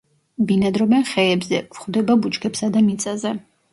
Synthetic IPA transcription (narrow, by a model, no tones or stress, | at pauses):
binad̪ɾɔbɛnχɛɛbzɛv̥χvd̪ɛbabut͡ʃkʰɛpsad̪amit̪sʼazɛ